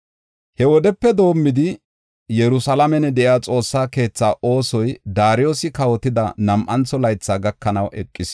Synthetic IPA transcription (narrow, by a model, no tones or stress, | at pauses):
hɛwɔd̪ɛpːɛd̪o̞ːmːɪd̪ɪ | jɛɾʊsɐlɐmɛnɛd̪ɛʔjaːt͡sʼo̞ːsːaːke̞ːt͡sːaːʔo̞ːsɔjd̪aːɾɪjoːsɪkɐwɔt̪ɪd̪ɐ̰nɐmʔɐnt͡sːɔlɐjt͡sːaːɡɐkːɐnɐwʔɛkʼːɪs